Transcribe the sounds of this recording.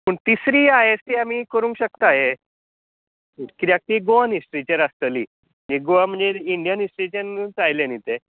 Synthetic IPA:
pəɳt̪isɾiːaɦet͡st̪iam̤iːkəɾũːŋkɕək̚t̪aɦe | kiɾjak̚ʈ̪iɡoʋanisʈɾit͡ɕaɾast̪əliː | niɡoʋam̤əɳd͡zeiɳɖijənisʈɾit͡ɕant͡sajljanit̪e

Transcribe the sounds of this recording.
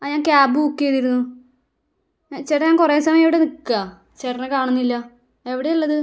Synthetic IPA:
aːɲaːŋkaːbɨukːijeðiɾunːu | at͡ɕerɐɲaːŋkureːsɐmɐjɐmiʋiɽe̞nikːɐ | t͡ɕeʈɐnekaːɳunːilːɐ | e̞ʋiɽe̞jɐlːɐðɨ

